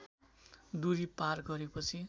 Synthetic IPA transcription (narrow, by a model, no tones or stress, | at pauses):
d̪uɾiparɡʌɾepʌt͡sʰi